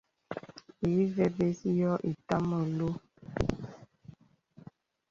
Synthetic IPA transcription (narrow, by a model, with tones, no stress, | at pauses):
i˨˦vɛ˨be˦si˦jɔ˦ʔi˨ta˦mɔ˨lo˦